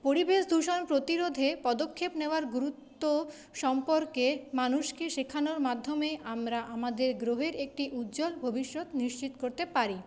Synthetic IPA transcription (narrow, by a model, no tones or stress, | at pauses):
poɾibeʃd̪ʱuʃonpɾot̪iɾod̪ʱepɔd̪okʰːepneoaɾɡuɾut̪ːo | ʃɔmpoɾkemanuʃkeʃekʰanoɾmad̪ʱːomeʔamɾaʔamad̪eɾɡɾoɦeɾek̚ʈiʔut̪ːd͡ʑolbʱobiʃːot̪niʃt͡ɕit̪okoɾt̪epaɾi